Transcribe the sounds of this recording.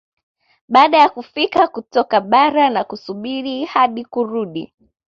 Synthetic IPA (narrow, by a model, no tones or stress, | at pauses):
ɓaːɗajakufikakutɔkaɓaɾanakusuɓiɾihaɗikuɾuɗi